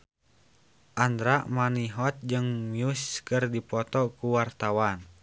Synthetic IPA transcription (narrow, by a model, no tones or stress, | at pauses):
ʔand̪ɾamaniɦɔt̪̚d͡ʒɨŋmiuskɨrdipɔt̪ɔkuwart̪awan